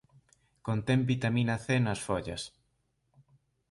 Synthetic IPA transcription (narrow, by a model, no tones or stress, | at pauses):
kont̪ɛmbit̪amĩnɐθenɐsfoʎɐs